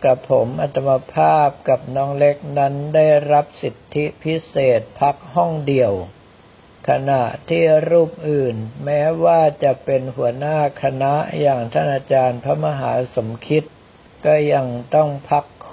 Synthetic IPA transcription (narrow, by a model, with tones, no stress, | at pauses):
ka˨˩pʰːo˩˦mʔa˧t̪ʰa˧mːa˧pʰaː˥˩p̚ka˨˩p̚nɔː˦˥ŋle˦˥k̚na˦˥nda˥˩jɾa˦˥p̚si˨˩t̪ʰːi˦˥pʰi˦˥seː˨˩t̪̚pʰa˦˥k̚ɦɔ˥˩ŋdi˨˩əw | kʰa˧na˨˩ʔt̪ʰiː˥˩ɾuː˥˩p̚ʔɯː˨˩nmɛː˦˥waː˥˩t͡ɕa˨˩pe˧nhu˩˦ɐnaː˥˩kʰa˧na˦˥ʔjaː˨˩ŋt̪ʰa˥˩nʔaː˧t͡ɕaː˧npʰa˦˥ma˧ɦaː˩˦so˩˦mkʰi˦˥t̪̚ | kɔː˥˩ja˧ŋt̪ɔ˥˩ŋpʰa˦˥kʰː